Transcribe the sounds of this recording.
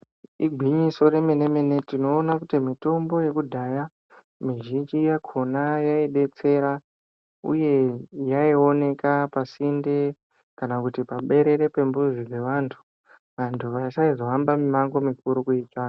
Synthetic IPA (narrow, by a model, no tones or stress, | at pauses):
iɡʱiɲiso̞ɾe̞me̞ne̞me̞ne̞tino̞ːnakutimito̞mbo̞je̞kudʱaja | miʒind͡ʒijakʰo̞najaiɗe̞t͡se̞ɾa | ṵje̞jaio̞ne̞kapasinde | kanakutipaɓe̞ɾe̞ɾepe̞mbuʐike̞ʋantʰu̥ | ʋantʰuʋaisaizo̞ɦambamimaŋɡo̞mikuɾukuiːtaːka